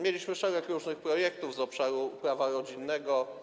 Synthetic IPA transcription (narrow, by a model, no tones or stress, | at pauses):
mʲjelʲiɕmɘʂɛɾɛkɾuʐnɘxpɾɔjɛk̚t̪uvzɔpʂaɾupɾavaɾɔd͡ʑinːɛɡɔ